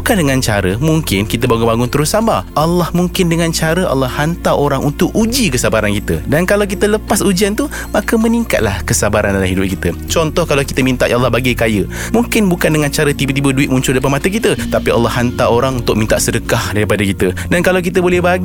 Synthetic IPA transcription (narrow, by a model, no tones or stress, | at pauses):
ukandəŋãnt͡ʃaɾəmuŋkɪnkit̪əbaŋʊnbaŋʊnt̪əɾʊsːambaʔalːɑhmuŋkɪndəŋãnt͡ʃaɾəʔa̰lːɑhant̪aʔoɾaŋʔunt̪ʊk̚ud͡ʒikəsabaɾankit̪ə̰dankalawk̬it̪ələpasud͡ʒiant̪u | makəmə̃niŋka̰t̪̚lahkəsabaɾandalaɦidʊp̚kit̪ət͡ʃɔnt̪ɔhkalawkit̪əmint̪aʔjalːɑhbaɡakajə | muŋkɪnbukandəŋãnt͡ʃaɾət̪ibət̪̬ibəduɪtʔ̪̚muɲt͡ʃʊldajpamat̪əkit̪ət̪apia̰lːɑhant̪aoɾaŋunt̪ʊkʔ̚mĩnt̪aʔsədəkahdaɾipadəkit̪ədankalawk̬it̪̬əbolɛhbaɡ